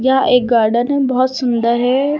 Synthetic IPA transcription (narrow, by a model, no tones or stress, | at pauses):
jɐɦãʔeːk̚ɡaːɾɖənɦɛbɐɦɔt̪sʊnd̪əɾɦɛ